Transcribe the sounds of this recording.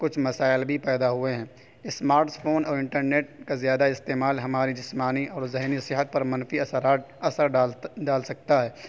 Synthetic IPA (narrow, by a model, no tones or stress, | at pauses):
kʊt͡ʃʰmɐsaːɪlbʱipɛːd̪aɦʊeɦɛ̃ː | ɪsmaːɾʈpʰoːnɔːɾɪ̃ɳʈəɾneːʈ̚kazjaːd̪aɪst̪eːmaːlɦɐmaːɾid͡ʒɪsmaːniʔɔːɾzɛɦnisɪɦət̪̚pɐɾmɐnfia | ɐsəɾɖaːlsɐk̚t̪aɦɛː